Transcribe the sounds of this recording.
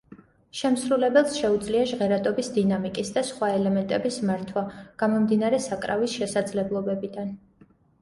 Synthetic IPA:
ʃɛmsɾulɛbɛlˠsʃɛud̪zliaʒʁɛɾad̪ʼɔbisd̪inamikʼisd̪asχwaɛlɛmɛnt̪ʼɛbismaɾt̪ʰwaɡ̥amɔmd̪inaɾɛsakʼɾavisʃɛsad̪zlɛblˠɔbɛbid̪an

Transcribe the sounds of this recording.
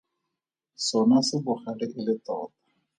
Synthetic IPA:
sɔnasɪbʊχaɺɪʔɪlɪt̪ɔːt̪ḁ

